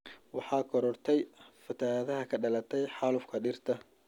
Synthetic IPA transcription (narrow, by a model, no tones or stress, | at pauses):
wɑħɑːkʰɔɾɔrt̪ʰɛjfɐt̪ʰaːðɐɦɐkʰɐɖɐlɐt̪ʰɛjħɑːlʊfkʰɐɖɪrt̪ʰɐ